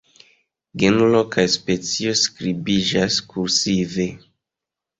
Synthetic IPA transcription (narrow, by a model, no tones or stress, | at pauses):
ɡenulokajspet͡sioskɾibid͡ʒaskuɾsive